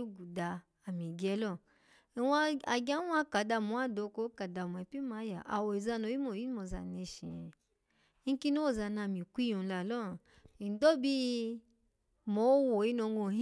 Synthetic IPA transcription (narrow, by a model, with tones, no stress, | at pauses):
ɡu˨da˨˧ | a˨mĩ˨ɡɛ˧˦lɔ˦˨ | wa˦a˨ɡʲa˦wa˧ka˨da˧˨mu˨˦a˦do˧˦ko˧˦ka˨da˨mu˨ɛ˨pi˦ma˨˦ja̰˨ʔa̰˨wo˨i˨za˧no˨˦i˦mo˨ji˦mo˨za̰˨ne˧ʃḭ̃˨ | i˦ki˦no˦wo˦˨za˧˨na˧˨mĩ˨kʷi˦jõ˨˧la˨lɔ˦˨ | i˨n˨do˦bi˧˦ | mo˨˦wo˨i˦no˧ŋɡo˧˨i˦